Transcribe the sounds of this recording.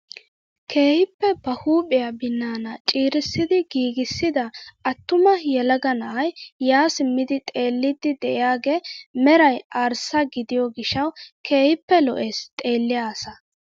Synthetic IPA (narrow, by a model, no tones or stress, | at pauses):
kʰe̞ːhɪpːɛbɐhuːpʼɪjabɪnːaːnɐt͡ʃʼiːɾɪsːɪd̪ɪɡiːɡɪsːɪd̪ɐɐt̪ːʊmɐjɛlɐɡɐnɐʔɐjːaːsɪmːɪd̪ɪt̪ʼe̞ːlːɪd̪ɪd̪ɛʔɪjaːɡeːmɛɾɐjaːɾsɐɡɪd̪ɪjɔɡɪʃːɐwkʰe̞ːhɪpːɛlɔ̰ʔe̞ːst̪ʼe̞ːlːɪjaːsɐ